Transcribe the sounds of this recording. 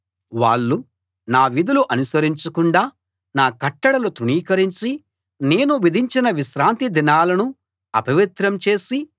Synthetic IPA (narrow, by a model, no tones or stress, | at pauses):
ʋa̰ːɭːu | naːʋid̪uluʔɐnusɐɾiɲt͡ʃɐkuɳɖaː | naːkɐʈːɐɽɐlut̪uniːkɐɾiɲt͡ʃi | ne̞ːnuʋid̪ʱiɲt͡ʃinɐʋiʃɾaːnt̪id̪inaːlɐnu | ɐ̰pɐʋit̪ɾɐmt͡ʃe̞ːsi